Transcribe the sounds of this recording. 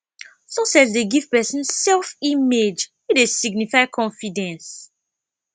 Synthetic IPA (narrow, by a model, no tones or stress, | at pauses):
sosɛzdeɡiv̥pɛsə̃nsɛlfimed͡ʒwidesiɡ̚nifaɪkʰɔ̃nfidɛ̃ns